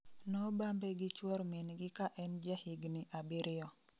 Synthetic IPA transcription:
nɔbambɛɡɪt͡ʃwɔɾmenɡɪkaʔɛnd͡ʒehiɡnɪʔabɪɾɪɔ

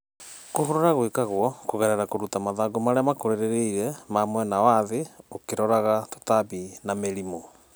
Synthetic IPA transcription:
koɦoɾoɾaɣwekaɣwɔkoɣɛɾɛɾakoɾutamaðaɡomaɾeamakoɾeɾeɾeiɾɛmamwɛnawaðeokeɾɔɾaɣato̥tabinameɾimo

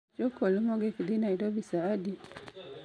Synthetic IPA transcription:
d͡ʒɔkolumɔɡekid̪inaiɾobisaːdi

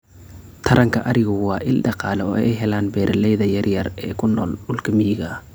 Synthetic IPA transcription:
t̪ʰɐɾɐŋkʰɐʔɐɾɪɣʊwɑːʔɪlɖɑqɑːlɛɔːʔʔɛjɦɛlaːnbɛːɾʔɐlɛjðɐjɐrjɐrɛːkʰʊnːɔːlɖʊlkʰɐmijɣɐ

